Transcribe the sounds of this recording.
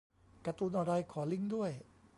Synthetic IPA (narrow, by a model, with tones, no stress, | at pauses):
kɾa˧t̪uː˧nʔa˧ɾa˧jkʰɔː˩˦li˥˩ŋdu˥˩əj